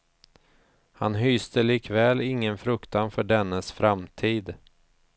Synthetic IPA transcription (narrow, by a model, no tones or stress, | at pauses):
hanɦyːst̪əliːkvɛːlɪŋːənfɾɵkt̪anfœɖɛnːəsfɾamt̪ʰiːd̪